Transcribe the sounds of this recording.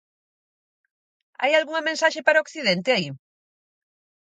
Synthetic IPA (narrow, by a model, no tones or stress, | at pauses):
a̰jalɣuŋɐmẽnsaʃepaɾaokθiðent̪ɪai